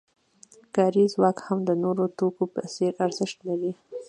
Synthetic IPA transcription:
kɑɾizwɑkhamd̪ənoɾot̪okopə̰seɾaɾzəʃt̪laɾi

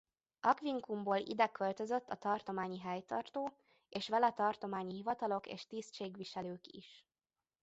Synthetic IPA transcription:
ʔɒkʋiŋkumboːlḭd̪ɛkːølt̪øzø̞t̪ːɒt̪ɒrt̪o̞maːɲiɦɛjt̪ɒrt̪oː | eːʃʋɛlɛt̪ɒrt̪o̞maːɲiɦivɒt̪ɒlo̞kḛːʃt̪ist͡ʃeːɡʋiʃɛløːkḭʃ

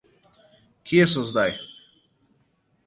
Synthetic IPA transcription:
kʰiɛsɔzd̪aj

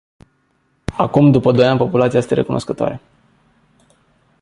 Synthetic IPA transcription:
akumd̪upəd̪o̞janʲpo̞pulat̪siajst̪eɾe̞kunʔo̞skət̪oa̰ɾe

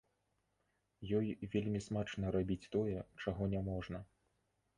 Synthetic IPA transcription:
jɔjvʲelʲmʲismat͡ʂnɐɾabʲit͡sʲt̪ɔjɛt͡ʂaɣɔnʲɛmɔʐnɐ

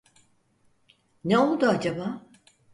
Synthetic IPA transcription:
neo̞lˠd̪uad͡ʒabaː

